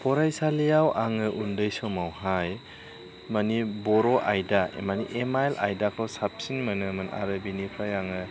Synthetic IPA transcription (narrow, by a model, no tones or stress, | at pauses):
pʰɔɾajsalijawʔaŋɯʔundɯjsɔmawhaj | manibɔɾɔʔajdaḛmaniʔemaelʔa̰jdakʰɔwsap̚sinmanɯmɯna̰ɾɯbinipʰajaŋɯ